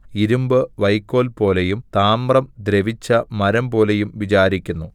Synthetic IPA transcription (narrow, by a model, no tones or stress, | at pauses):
iɾumbɨʋɐjkːo̞ːlpo̞ːle̞jumt̪aːmrɐmd̪ɾe̞ʋit͡ɕːɐmɐɾɐmbo̞ːlejumʋit͡ɕaːɾikʲːunːu